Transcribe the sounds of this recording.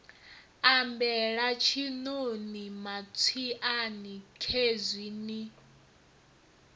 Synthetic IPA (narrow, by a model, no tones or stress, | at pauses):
ambɛɺat͡ʃʰinonimat͡sʰiʔanikʰezʷwini